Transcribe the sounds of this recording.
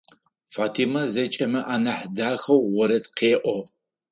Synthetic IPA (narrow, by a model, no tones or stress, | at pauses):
faːtʰimɐzɐt͡ʃʼɐmɐʔaːnɐħdaːxɐwʁɔɾɐtqʰeːʔʷɔ